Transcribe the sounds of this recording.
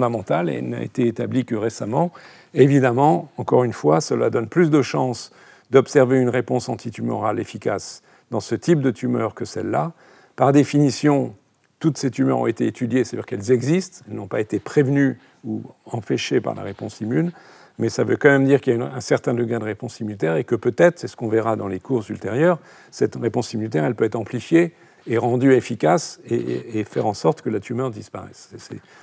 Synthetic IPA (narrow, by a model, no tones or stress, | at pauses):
fd̪amɑ̃t̪alḛlna̰ḛt̪eːt̪ablikəʁesamɑ̃ | evid̪amɑ̃ɑ̃kɔʁynfwasəlad̪ɔnplys̬d̪əʃɑ̃s | d̪ɔpsɛʁveynʁepɔ̃sɑ̃t̪ʰit̪ymɔ̰ʁalefikas | d̪ɑ̃sət̪ip̚d̪ət̪ʰymœ̰ʁkəsɛ̰lːa | paʁd̪efinisjɔ̃ | t̪ut̪set̪ymœ̰ʁɔ̰̃et̪eːt̪ʰyd̪jesad̪yʁkɛlzɛɡzist̪ɛlnɔ̃paet̪epχevny | uɑ̃pɛʃepa̰ʁla̰ʁepɔ̃simyn | mɛsavøkɑ̃mɛmd̪iʁkʲiljaynɛ̃sɛʁt̪ɛ̃d̪əɡad̪əʁepɔ̃simylt̪ɛʁekəpøt̪ɛt̪χsɛsə̥kɔ̃vɛʁad̪ɑ̃lekuʁsylt̪eʁjœʁ | sɛt̪ʁepɔ̃simylt̪ɛʁɛlpøɛt̪χɑ̃plifjeː | ʁɑ̃d̪yefikasḛːfɛʁɑ̃sɔʁt̪kəlat̪ʰymœʁd̪ispaʁɛ̰sɛsɛ̰